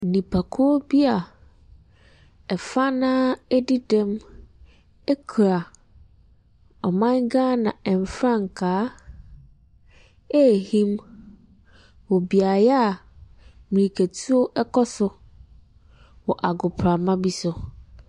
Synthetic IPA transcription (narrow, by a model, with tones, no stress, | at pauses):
n̩˨nĩ˨pʰa˨kʰʊ˦o˦bi˦a˨ | ɛ˨fa˦nãː˦ɛ˦di˦dɛ̃˦m | ɛ˦kʰu˨ɾa˨ | ɔ˨mã˦nɡãː˦nã˨ɛ˨m˨fɾã˦ŋ˨kʰaː˨˦ | ɛ˦˨hĩ˦m | wɔ˨bi˨a˨jɛ˦a˨ | mĩ˨ɾi˨kʰæ˨tʰu˦o˦ʔɛ˦kʰɔ˦sʊ˦ | wɔ˨ʔa˨ɡʊ˨pʰɾa˨mã˦bi˦sʊ˦